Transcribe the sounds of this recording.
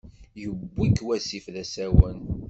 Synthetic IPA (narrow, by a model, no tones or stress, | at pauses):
jəbːikːwæsifðæsæwən